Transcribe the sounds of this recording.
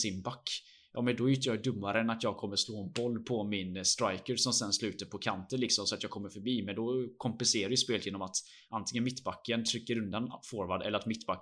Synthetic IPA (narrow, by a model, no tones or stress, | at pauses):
sɪnbakː | jɑːmɛnd̪ɔɛɾʏt̪əjɑɖɵmːaɾəɛnat̪jɑːɡ̚kʰɔmːəʂloːɛnbɔlːpʰɔmɪnst̪ɾajkəɾsɔmsɛnslʉ̟ːt̪əɾpʰɔkʰant̪ənlɪksɔmsɔat̪jɑːɡ̚kʰɔmːəɾfœɾbiːmɛnd̪ɔkʰɔmpɛnseːɾaɾjəspeːlt̪jeːnɔmat̪ | ʔant̪ʰɪŋənmɪt̪ːbakːənt̪ʰɾʏkːəɾɵnd̪anfoːɾvaɖ̪ɛlːəɾat̪mɪt̪ːbakː